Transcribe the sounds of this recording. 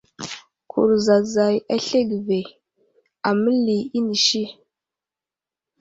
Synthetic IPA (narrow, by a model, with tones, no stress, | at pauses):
kʰṵ˨ɾza˨za˨ja˦ɬe˦ɡve˨ | a˨mə˦li˨i˦ni˨ʃi˦